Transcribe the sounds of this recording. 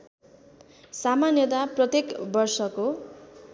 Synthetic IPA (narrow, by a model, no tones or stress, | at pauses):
samanjʌt̪aprʌt̪ekbʌrsʌko